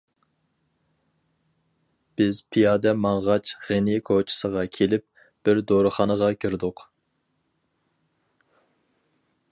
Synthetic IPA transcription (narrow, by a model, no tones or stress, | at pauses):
b̥ɪzpʰijɑːd̪ɛmɑŋʁɑt͡ʃʰʁenɪkʰot͡ʃʰɪ̥səʁɑkʲʰelɪp̚ | b̥ɪɾd̪oɾɨχɑnəʁɑkʲʰiɾd̪ʊq